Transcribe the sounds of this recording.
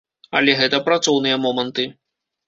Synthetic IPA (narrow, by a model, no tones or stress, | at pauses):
ɐ̰lʲɛɣɛt̪ɐpɾat̪sɔwnɨjɐmɔmɐnt̪ɨ